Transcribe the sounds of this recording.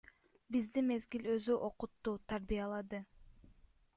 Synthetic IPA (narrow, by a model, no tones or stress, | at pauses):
bizd̪ime̞zɡilø̞zyʔo̞qʊt̪ːuːt̪ʰaɾbijɑlˠɑd̪ɯ